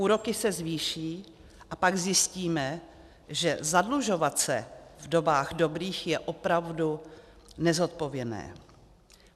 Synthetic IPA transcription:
uːɾo̞kɪsɛzviːʃiː | ʔapaɡzjɪsciːmɛ | ʒɛzadluʒo̞vat̪sɛ̰vdo̞baːɣdo̞bɾiːxjɛʔo̞pɾavdu | nɛzo̞t̪̚po̞vjɛnɛ̰ː

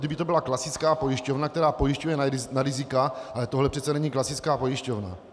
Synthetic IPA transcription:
dɪbɪt̪obɪlaklasɪt͡skaːpo̞jɪʃcovnak̚t̪ɛɾaːpojɪʃcujɛnnaɾɪzɪkaʔalɛt̪oɦlɛpr̥ɛt̪t͡sɛnɛɲiːklasɪt͡skaːpo̞jɪʃcovna̰

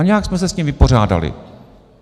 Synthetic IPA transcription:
ɲɛaksmɛs̬ɛsɲimvɪpo̞r̝aːda̰lɪ̰

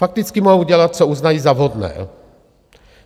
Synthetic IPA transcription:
fak̚t̪ɪt͡skɪmoɦuɟɛlat̪̚t͡souznajiːzavɦod̪nɛ̰ː

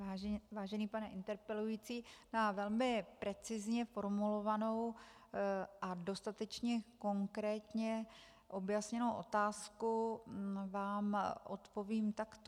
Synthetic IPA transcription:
aːvaːʒɛniːpanɛʔɪnt̪ɛɾpɛlujiːt͡siːnavɛlmɪpɾɛt͡sɪzɲɛfo̞ɾmulo̞vano̞w | ʔado̞st̪at̪ɛt͡ʃɲɛko̞ŋkɾɛːt̪ɲɛ | ʔo̞bjasɲɛno̞wʔo̞t̪aːsku | vaːmʔo̰t̪po̞viːmt̪akt̪o

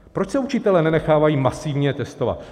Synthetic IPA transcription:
pɾo̞t͡ʃsɛut͡ʃɪt̪ɛlɛːnɛnɛxaːvajiːmasivɲɛt̪ɛst̪o̞va̰t̪

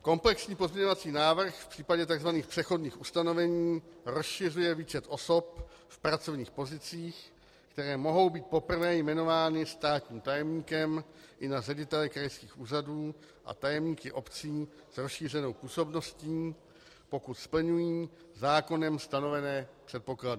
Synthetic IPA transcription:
ko̞mplɛksɲiːpo̞zmɲɛɲo̞vat͡siːnaːvr̩xfpr̥iːpaɟɛt̪aɡzvaniːxpr̥ɛxo̞dɲiːxʔust̪ano̞vɛɲiːɾo̞sʃɪrujɛviːt͡ʃɛt̪ʔo̞so̞p̚ | fpɾat͡so̞vɲiːxpo̞zɪt͡siːx | kt̪ɛɾɛːmo̞ɦo̞wbiːt̪̚po̞pr̩vɛːjmɛno̞vaːnɪst̪aːt̪ɲiːmt̪ajɛmɲiːkɛm | ʔɪnarɛɟɪt̪ɛlɪkɾajskiːxʔuːraduː | ʔa̰t̪ajɛmɲiːkɪʔo̞pt͡siː | z̥ɾosʃiːrɛno̞wpuːso̞bno̞sciː | po̞kut̪spl̩ɲujiː | zaːko̞nɛmst̪ano̞vɛnɛːpr̥ɛt̪̚po̞kladɪ

